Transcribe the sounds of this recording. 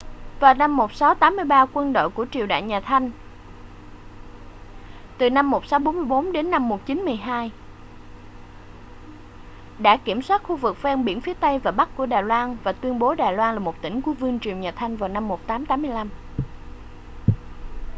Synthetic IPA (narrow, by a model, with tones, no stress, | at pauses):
vaː˨˩wna˧mːo˨˩t̚sa˨˦wt̪aː˨˦mːɨ˧əjɓaː˧kwə˧nɗo̰˧˨jku˧˩ət͡ɕi˨˩əwɗa̰ː˧˨jɲaː˨˩t̪ʰa˧jŋ̟ | t̪ɨ˨˩na˧mːo˨˩t̚sa˨˦wɓo˨˦nmɨ˧əjɓo˨˦nɗe˨˦nːa˧mːo˨˩t̚t͡ɕi˨˦nmɨ˧˩əjɦaː˧j | ɗa̰ː˧˥ki˧˩əmswaː˦˥t̚xu˧vɨ˨˩k̚fɛ˧nɓḭ˧˩ənfi˨˦ət̪ə˧jvaː˨˩ɓa˦˥k̚ku˧˩əɗaː˨˩jlwaː˧nvaː˨˩t̪wi˧ənɓo˨˦ɗaː˨˩jlwaː˧nlaː˨˩mo˨˩t̚t̪ï˧˩ŋ̟ku˧˩˦əvɨ˧əŋt͡ɕi˨˩əwɲaː˨˩t̪ʰa˧jŋ̟vaː˨˩wna˧mːo˨˩t̚t̪aː˨˦mt̪aː˨˦mːɨ˧əjla˧m